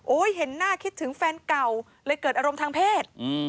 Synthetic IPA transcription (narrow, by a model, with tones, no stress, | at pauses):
ʔoː˦˥jɦe˩˦nːaː˥˩kʰi˦˥t̪ʰːɯ˩˦ŋfɛː˧nka˨˩w | lɤː˧jkɤː˨˩t̪̚ʔa˧ɾo˧mt̪ʰaː˧ŋpʰeː˥˩t̪̚ː